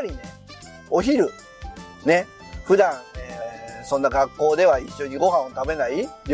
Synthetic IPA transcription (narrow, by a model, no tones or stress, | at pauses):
ɾʲine | o̞çiɾɯ̟ | ne̞ | ɸɯ̟d̪ãɴ̃esõ̞nːaɡakːo̞ːd̪e̞βaiɕːo̞ɲiɡo̞ɦãɰ̃ot̪abe̞naiɾʲ